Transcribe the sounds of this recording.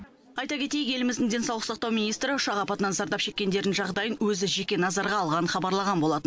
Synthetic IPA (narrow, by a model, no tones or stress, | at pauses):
ɑjt̪ɑkʲʰe̞t̪e̞jɪkje̞lɪmɪzd̪ɪŋd̪e̞nsɑwlˠəsɑqt̪ɑwmijnijst̪ɾɪʊʃɑʁɑpɑt̪ənɑnzɑɾd̪ɑpʃe̞kʲːe̞nd̪e̞ɾd̪ɪnʒɑʁd̪ɑjənwɵzɪʒe̞kʲe̞nɑzɑɾʁɑːlˠʁɑnəɴχɑbɑɾlˠɑʁɑnbo̞lˠɑt̪ən